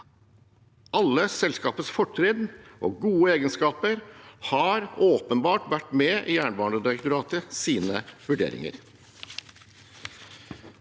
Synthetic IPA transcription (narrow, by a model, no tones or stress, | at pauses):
ʔɑlːəsɛlskɑːpəsfɔʈʰːɾiːd̪ʔo̰ːɡuːəeːɡənskɑːpəɾhɑɾoːpənbɑːʈʋæʈːmeːʔiːjæːɳbɑːɳɖəd̪ɪɾəkt̪ʊɾɑːt̪əsiːnəʋʉɖḛːɾɪ̰ŋə̰ɾ